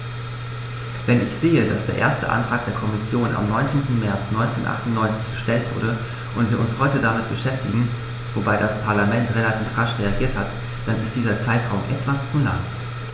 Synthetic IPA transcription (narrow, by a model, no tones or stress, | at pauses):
vɛnɪçz̥eːədasd̥eːɐʔḛːɐstə̰ʔa̰ntʁ̥aːk̚d̥eːɐkʰɔmɪsjoːnʔa̰mnɔʏnt͡seːntn̩mɛɐt͡snɔʏnt͡seːnʔa̰χtʊn̩nɔʏnt͡sɪçɡ̥əʃtɛltv̥ʊ̰ɐɾə | ʔʊntv̥iɪːɐʊnshɔʏtədamɪtb̥əʃɛftɪɡŋ̩ | vobaɪdaspʰaɐlamɛntʁelatʰiːfʁaʃʁeaɡiːɐthat | d̥anɪst̚d̥iːzɐt͡saɪtʁaʊmʔɛ̰tv̥ast͡suna̰ŋ